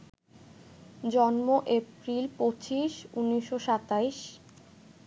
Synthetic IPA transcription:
d͡ʑɔnmoʔepɾilpot͡ɕiʃunːiʃːoʃat̪aiʃ

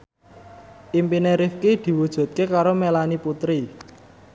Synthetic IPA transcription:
ʔimpineɾifkid̪̥i̤wud̥ʒ̥ṳt̪̚kekaɾomelaniput̪ɾi

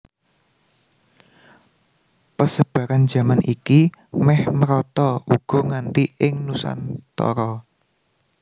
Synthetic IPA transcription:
pəsəb̥a̤ɾand͡ʒ̥ä̤manʔikimɛhməɾɔt̪ɔuɡ̥ɔ̤ŋant̪iʔɪŋnusa̰nt̪ɔ̰ɾɔ

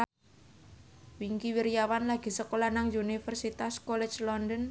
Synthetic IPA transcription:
wiŋkiwiɾjawanlaɡ̥i̤səkolanaŋjunifərsit̪askɔlɛ̥t͡ʃlɔndən

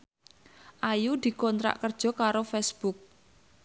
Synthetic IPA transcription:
ʔajud̪̥i̤kɔnt̪ɾa̰ʔkərd̥ʒ̥ɔ̤kaɾofɛsb̥uk̚

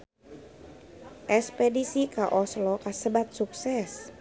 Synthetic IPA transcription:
ʔɛspɛdisikaʔɔslɔkasəbat̪̚suksɛs

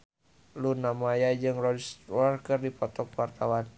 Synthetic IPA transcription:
lunamajad͡ʒɨŋrɔdst̪wɔrkɨrdipɔt̪ɔkwart̪awan

